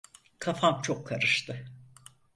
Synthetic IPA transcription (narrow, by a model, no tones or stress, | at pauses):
kʰafamt͡ʃʰokʰːaɾɯʃt̪ʰɯ